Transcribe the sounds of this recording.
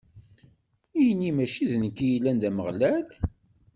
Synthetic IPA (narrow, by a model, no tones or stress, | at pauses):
ijənːimæʃiðnəkːijilːænd̪æməʁlæl